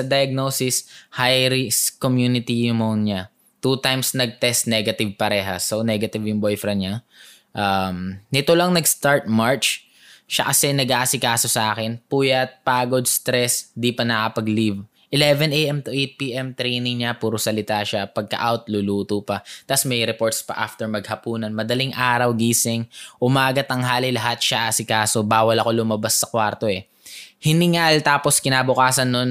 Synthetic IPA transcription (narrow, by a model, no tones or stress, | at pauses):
sɐd̪ɐjɐɡ̚nosɪshajɾɪskomjuːnɪt̪ijɪʊmonɲa | t̪ut̪ajmsnɐɡ̚t̪ɛst̪̚nɛɡɐt̪ɪv̚pɐɾɛːɦɐ̰sonɛɡɐt̪ɪvjʊŋbojfɾɐɲa | ʔamnɪt̪olɐŋnɐɡst̪aɹt̪̚maɹt͡ʃ | ʃakɐsɛnɐɡʔaːsɪkaːso̞sɐʔaːkɛnpuːjɐt̪̚paːɡo̞d̪̚st̪ɾɛsd̪ipɐnɐkɐpɐɡliv | ʔɪlɛvɛnʔɛjʔɛmt̪ʊʔejt̪̚piːʔɛmt̪ɾɛjnɪŋɲapuːɾosɐlɪt̪aʃapɐɡ̚kɐ̰ʔawt̪̚luluːt̪opɐt̪asmɐjɾɛpo̞ɹt̪spɐ̰ʔa̰ft̪ɛɹmɐɡ̚hɐpuːnɐnmɐd̪ɐliŋʔaːɾɐwɡiːsɪŋʔʊmaːɡɐt̪ɐŋɦaːlilɐɦat̪̚ʃaʔaːsɪkaːso̞baːwɐlɐko̞lʊmɐbasːɐkwaɾt̪o̞ɛ | hɪnɪŋalt̪aːposkɪnaːbʊkaːsɐnːon